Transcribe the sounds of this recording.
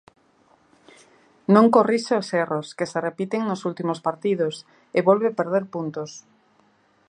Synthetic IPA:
nõŋkoriʃeoseroskeserepit̪eŋnosult̪imospaɾt̪iðos | eβolβepeɾðeɾpunt̪os

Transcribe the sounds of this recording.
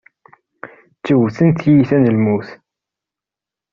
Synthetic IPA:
t͡ʃːəwθənt̪jiθænəlmuθ

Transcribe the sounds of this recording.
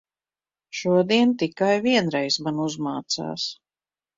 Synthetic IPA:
ʃuɔd̪iɛnt̪ikajviɛnɾɛjsmanuzmaːt̪sa̰ːs

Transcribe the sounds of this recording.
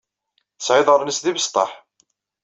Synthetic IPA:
sʕɪðˤʁəɾnəsðivəst̪ˤɑħ

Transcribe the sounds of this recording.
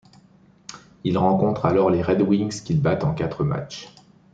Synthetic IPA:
ilʁɑ̃kɔ̃t̪χalɔʁleʁɛd̪wiŋskʲilbat̪ɑ̃kat̪χəma̰t͡ʃ

